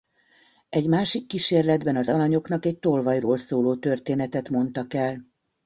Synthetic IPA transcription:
ɛɟmaːʃikːiʃeːrlɛd̪bɛnɒzɒlɒɲo̞kn̪ɒkɛc̚t̪o̞lvɒjroːlsoːloːt̪ø̞rt̪eːnɛt̪ɛt̪mo̞nt̪ɒkɛl

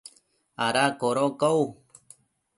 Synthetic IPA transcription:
aɾakoɾokow

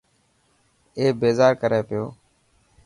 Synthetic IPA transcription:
eːbeːzaːɾkəɾeːpɪjoː

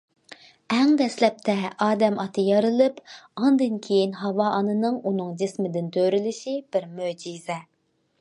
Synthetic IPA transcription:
ɛŋd̪ɛslɛp̚t̪ʰɛɑːd̪ɛmɑt̪ʰɨjɑɾɨlˠɨpɑnd̪ɨnkʲʰejinɦɑwɑʔɑnɨnɨŋunɨŋd͡ʒɪsmɪd̪ɪnt̪ʰøɾylɪʃib̥ɪɾmød͡ʒizɛ

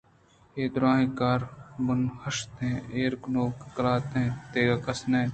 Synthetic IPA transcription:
eːd̪ʊɾãːɦĩkaːɾbʊnhɐʃt̪ɦẽːeːɾknoːkːɐlaːt̪ɦẽːt̪eːɡakɐsnẽː

